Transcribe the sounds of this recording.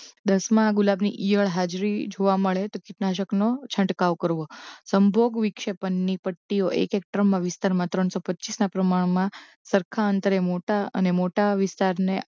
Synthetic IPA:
d̪əsmãːɡʊlabnḭʔijəɭɦad͡ʒɾid͡ʒoʋaməɭet̪okɪʈnaʃ̬əknot͡ʃʰə̃ɳʈkaʋkəɾʋosəmbʱoɡʋikʃepənːipəʈːioʔḛkek̚ʈɾəmːãʋɪst̪aɾmãt̪ɾəɳsopətːt͡ʃisnapɾəmaɳ̃mã | səɾkʰaənt̪əɾemoʈaə̰nemoʈaʋɪst̪aɾne

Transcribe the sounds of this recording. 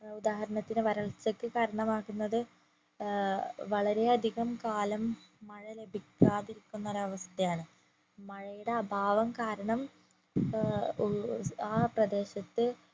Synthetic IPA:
ud̪aːɦɐɾɐɳɐt̪ːinɨʋɐɾɐɭt͡ɕːɐkːɨkaːɾɐɳɐmaːkːunːɐðɨ | ʋɐɭɐɾe̞ɐd̪ʱiɣɐmkaːlɐmːɐɻɐle̞bʱikʲːaːðiɾikʲːunːɐɾɐʋɐst̪ːɐjaːɳɨ | mɐɻɐjuɽeɐbʱaːʋɐmkaːɾɐɳɐm | aːprɐd̪e̞ːɕɐt̪ːɨ

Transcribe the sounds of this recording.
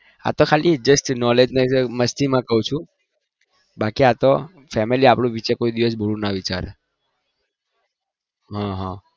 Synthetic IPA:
a̰t̪okʰalid͡ʒəsʈnɔled͡ʒnəməst̪ʰimãkəɦũt͡ʃʰũ | bakiat̪o | fɛmeliapɽũʋit͡ʃekoid̪iʋəs̬bʱoɭũnaʋit͡ʃa̰ɾe | ɦãɦã

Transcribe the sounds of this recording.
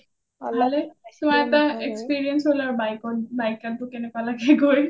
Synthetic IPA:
ɦalet̪umajɛt̪aekspiɹiɛnsɦolaɹbajkɔtbajkant̪ukenɛkalaɡeɡoj

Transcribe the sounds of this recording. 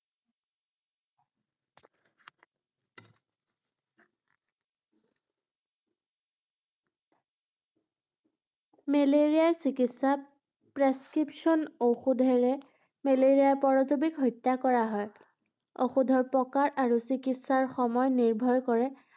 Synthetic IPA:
meleɹijasikitsa | pɹeskɹipʃɔnoxudʱɛɹɛ | meleɹijaɹpɔɹɔtubikɦɔjtːakɔɹaɦɔj | oxudʱɔɹpɔkaɹaɹusikitsaɹxɔmɔjniɹbʱɔjkɔɹɛ

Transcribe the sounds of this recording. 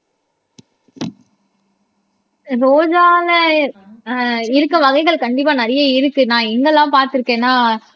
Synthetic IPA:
ɾoːd͡ʒaːlɐ | ɪɾɯkːɐʋɐɣɐɪɣɐɭkɐɳɖɪp̬ːaːnɐɾɐjɐɪɾɯkːɯnãːɛŋɡɐlːãːpaːɾt̪ɯɾɯkːẽːnaː

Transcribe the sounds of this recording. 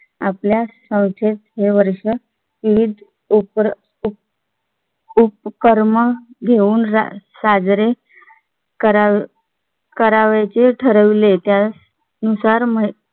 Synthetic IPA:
apljasə̃w̃kʰet̪ɦeʋəɾʂə | ʋiʋid̪ʱ | p | u | upkəɾməɡʱeuːnɾa̰sad͡zɾe | kəɾa | kəɾaʋat͡ɕeʈʰəɾəʋlet̪ja | nusaɾmə

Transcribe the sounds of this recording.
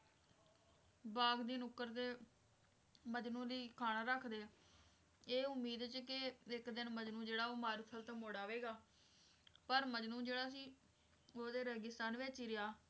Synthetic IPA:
baːɡd̪iːnʊkːəɾt̪eː | məd͡ʒnũːɾiːkʰaːnaːɾəkʰd̪eː | eːʊmːiːd̪t͡ʃkɪɪkd̪ɪnməd͡ʒnũːd͡ʒeːɽaːoːmaːɾut̪ʰəlt̪aːmoːɽaːʋeːɡaː | pəɾməd͡ʒnũːd͡ʒeːɽaːsiː | oːd̪eːɾəɡɪst̪aːnʋet͡ʃiːɾɪjaː

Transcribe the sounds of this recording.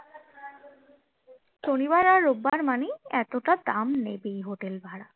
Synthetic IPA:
ʃonibaɾaɾːobːaɾmaniɛt̪oʈad̪amnebejɦoʈelbʱaɽa

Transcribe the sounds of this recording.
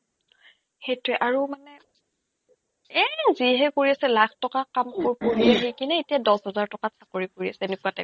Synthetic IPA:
xejtʊɛʔaɹumanɛ | ɛziɦɛkoɹiasɛlakʰtɔkakamkoɹpoɹiaɦikinɛetijadɔsɦɔzaɹtɔkasakoɹipoɹia̰sɛenekuatɛ

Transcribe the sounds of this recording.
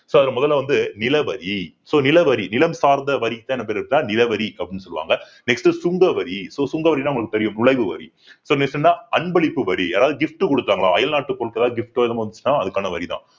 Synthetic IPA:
soːɐðɪlɐmʊðɐlːaʋɐnd̪ɯnɪlɐʋɐɾisoːnɪlɐʋɐɾinɪlɐmsaːɾnd̪ɐʋɐɾit̪ːãːɛnːɐpeːɾɪɾɯk̪ːlaːnɪlɐʋɐɾiɐpːɐɽinːɯsɔlɯʋa̰ːŋɡɐ | nɛksʈɯsʊŋɡɐʋɐɾisoːsʊŋɡɐʋɐɾinaːɐʊŋɐɭkːɯt̪ɛɾɪjɯmnʊɭɐɪʋɯʋɐ̰ɾḭ | soːnesɪnnːaːɐnbɐɭɪpːɯʋɐɾiaːɾaːʋɯðɯɡɪfʈɯkɔɽɯt̪ːaːŋɡɐɭã̰ːɐjɐlnaːʈːɯkːɔɭkːɐðaːɡɪfʈoːɪlɐmːʋɐnd̪ɯt͡ʃːɯnːãːɐðɯkːaːnɐʋɐɾit̪ã̰ː

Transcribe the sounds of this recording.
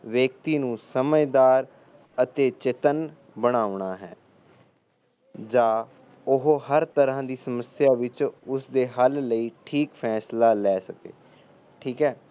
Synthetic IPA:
ʋeːk̚t̪iːnũːsəməjd̪aːɾ | ət̪eːt͡ʃɪt̪ən | bəɽ̃aːʊɳaːɦɛ̰ː | d͡ʒaː | ʊɦoɦəɾt̪əɾãːd̪iːsəməsjaːʋɪt͡ʃʊsd̪eːɦəlːəiːʈʰiːkpʰɛːslaːlɛːsəkḛː | ʈʰiːkɦɛː

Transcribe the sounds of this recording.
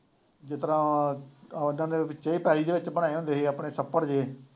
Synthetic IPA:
d͡ʒɪt̪əɾãː | ɪnãːneːʋɪt͡ʃeiːpɛːliːd̪eːʋɪt͡ʃbəɽaːeːɦõːnd̪eːɦeːaːpɳeːsəpːəɾd͡ʒeː

